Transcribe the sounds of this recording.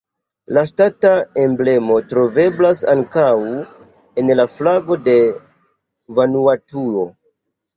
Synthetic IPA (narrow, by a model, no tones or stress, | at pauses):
lastatae̞mble̞mo̞tɾo̞ve̞blasa̰ŋkaw | e̞nlaflaɡo̞de̞ | vanuatuo̞